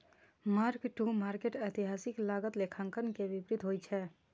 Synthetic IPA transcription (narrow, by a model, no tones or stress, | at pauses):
maɾkʈumaɾkeʈət̪iɦaːsɪklaɡət̪lekʰãŋkənkebipɾɪt̪ɦojt͡ʃʰɛ